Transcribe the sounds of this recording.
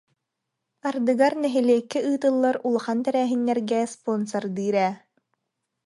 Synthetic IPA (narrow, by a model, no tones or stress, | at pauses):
aɾd̪ɯɡaɾnɛɦɛliɛkːiʔɯːt̪ɯlˠːaɾulˠaχant̪ɛɾɛːɦinːɛɾɡɛspɔnsɔɾd̪ɯːɾɛː